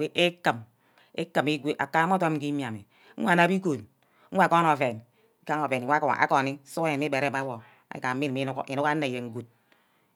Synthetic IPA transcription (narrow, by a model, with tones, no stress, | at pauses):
e˦ʔe˦kə˨m | e˦kɨ˨mi˦ɡʷe˦ʔa̰˨ka˦mo˦to˦ki˦mja˨mi˨ | ŋ̩ʷ˦a˦˨na˦bi˦ko˨n̩ʷ˦ | a˨ko˦no˨ve˨n˦ | ka˦ŋo˨ve˨nʷ˨˦ka̰˨˦ko˨ni˦su˦je˨nmi˦be˨ɾe˦˨ma˦wo˨ | a̰˨˦ka˨˦i˦n˨mi˦nu˦kʔḭ˨nu˦ka˦ne˨je˨ŋ̩˨ɡu˨t̚